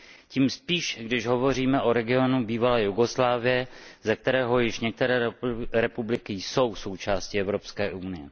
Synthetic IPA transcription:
ciːmspiːʃɡdɪʃɦo̞vo̞riːmɛʔo̞ɾɛɡɪo̞nubiːvalɛːjuɡoslaːvɪjɛzɛk̚t̪ɛɾɛːɦo̞jɪʃɲɛk̚t̪ɛɾɛːɾɛpublɪkɪjso̞wso̞wt͡ʃaːscɪɛvɾo̞pskɛːʔunɪjɛ

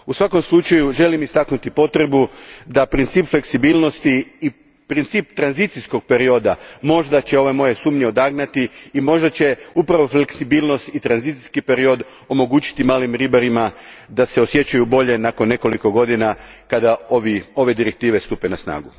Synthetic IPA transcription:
usʋako̞mslˠut͡ʃajuʒe̞limist̪aknut̪ipo̞t̪ɾe̞bud̪apɾint̪siːpfle̞ksibilˠno̞st̪iː | pɾint̪siːp̚t̪ɾanzit̪sisko̞ɡ̚pe̞ɾio̞d̪amo̞ʒd̪at͡ɕeo̞ʋe̞mo̞je̞suːmɲeod̪aɡnat̪iːmo̞ʒd̪at͡ɕe̞upɾaʋo̞fleksibiːlˠno̞st̪it̪ɾanzit̪si̥skipe̞ɾio̞d̪ | o̞mo̞ɡuːt͡ɕi̥t̪imaːlimɾibaɾimad̪ase̞o̞sje̞t͡ɕajubo̞ʎe̞nako̞nːe̞ko̞liko̞ɡo̞d̪inakad̪aoʋio̞ʋe̞d̪iɾek̚t̪iːʋe̞st̪upe̞nasna̰ːɡu

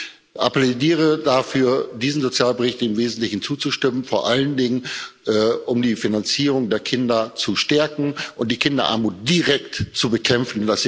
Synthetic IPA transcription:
ʔa̰plediːʁ̞ədafyːɐdiːzn̩zot͡sjaːlbəʁɪçtd̥eːmveːzn̩tlɪçn̩t͡suːt͡suʃtɪmənfoːɐʔaləndɪŋənʔɛːʔʊmdiːfinant͡siːʁ̞ʊŋdeːɐkʰɪndɐt͡suʃtɛɐkŋ̩ʔʊnt̚d̥iːkʰɪndɐʔa̰ɐmuːt̚d̥iʁɛk̚tt͡subəkʰɛmfn̩ndas

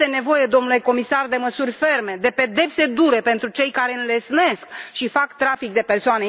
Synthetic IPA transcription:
t̪e̞ne̞vo̞je̞d̪o̞mnule̞ko̞misard̪e̞məsurʲfe̞rme̞d̪e̞pe̞d̪e̞pse̞d̪uɾe̞pe̞nt̪ɾut͡ʃe̞jkaɾe̞ɨnle̞sne̞skʃifakt̪ɾafikd̪e̞persoane

